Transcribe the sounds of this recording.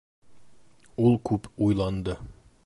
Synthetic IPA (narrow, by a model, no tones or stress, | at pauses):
ulˠkʉpujlˠɑnd̪ɤ